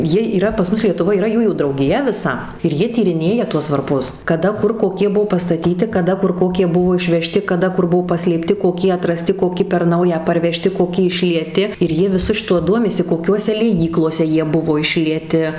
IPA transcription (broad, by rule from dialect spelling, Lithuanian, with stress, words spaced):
ˈjiɛ iːˈrɐ pɐs ˈmʊs lʲiɛtʊˈʋoːj iːˈrɐ ˈjuːjuː drɐʊɡʲɪˈjɛ ʋʲɪˈsɐ ɪr ˈjiɛ tʲiːrʲɪˈnʲeːjɛ ˈtuɔs ʋɐrˈpʊs kɐˈdɐ ˈkʊr koːˈkʲiɛ ˈbuɔ pɐstɐˈtʲiːtʲɪ kɐˈdɐ ˈkʊr ˈkoːkʲiɛ ˈbʊʋoː ɪʃʲʋʲɛˈʃʲtʲɪ kɐˈdɐ ˈkʊr ˈbʊʋoː pɐsʲlʲeːpʲˈtʲɪ koːˈkʲiɛ ɐtrɐˈsʲtʲɪ koːˈkʲɪ pʲɛr ˈnɐʊjɛ pɐrʲʋʲɛˈʃʲtʲɪ koːˈkʲɪ ɪʃʲlʲiɛˈtʲɪ ɪr ˈjiɛ ʋʲɪˈsʊ ʃʲɪˈtʊ ˈduɔmʲɪsʲɪ koːˈkʲuɔsʲɛ lʲiɛˈjiːklˠoːsʲɛ ˈjiɛ ˈbʊʋoː ɪʃʲlʲiɛˈtʲɪ